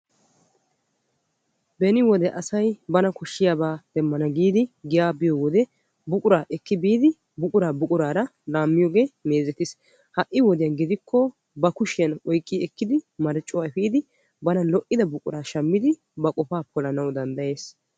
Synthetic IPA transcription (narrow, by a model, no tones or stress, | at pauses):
bɛnɪwɔd̪ɛʔɐsɐjbɐnɐkʊʃːɪjaːbaːd̪̥ɛmːɐnɐɡiːd̪ɪɡɪjaːbɪjɔwɔd̪ɛ | bʊkʼʊɾaːʔɛkːɪbiːd̪ɪ | bʊkʼʊɾaːbʊkʼʊɾaːɾɐlaːmːɪjɔːɡe̞ːmeːzɛt̪ɪs | hɐʔɪwɔd̪ɪjɐnɡɪd̪ɪkʰːɔ | bɐkʊʃɪjɐnɔjkʼːɪɛkːɪd̪ɪmɐɾɛt͡ʃʼːʊwaːɛfiːd̪ɪ | bɐnɐlɔʔɪd̪ɐbʊkʼʊ̰ɾaːʃɐmːɪd̪ɪ | bɐkʼɔfaːpʰɔlɐnɐwd̪ɐnd̪ɐje̞ːs